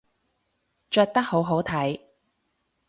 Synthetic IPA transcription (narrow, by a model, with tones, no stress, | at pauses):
t͡ʃœː˧t̚t̪ɐ˥k̚ho˨˥wɦo˨˥wt̪ʰɐ˨˥j